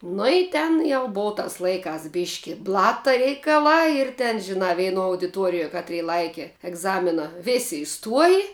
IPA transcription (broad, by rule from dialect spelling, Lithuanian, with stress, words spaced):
nʊ ɪ ˈtʲɛn jɛʊ ˈboːʋɐ ˈtɐs ˈlˠɐɪˌkɑːs ˈbʲɪʃʲkʲɪ ˈblˠɑːtɐ rʲɛɪkɐˈlˠɑː ɪr tʲɛn ʒʲɪˈnɑː ʋʲɛɪˈnuɔ ɐʊdʲɪˈtuɔrʲɪjuɔ ˈkɑːtʲˌrʲiː ˈlˠɐɪkʲɪ ɛɡˈzɑːmʲɪnɐ ˈʋʲeːsʲɪ ɪˈstuɔjɪ